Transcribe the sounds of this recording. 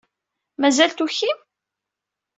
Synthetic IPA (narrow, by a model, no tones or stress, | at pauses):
mæzælt̪uçim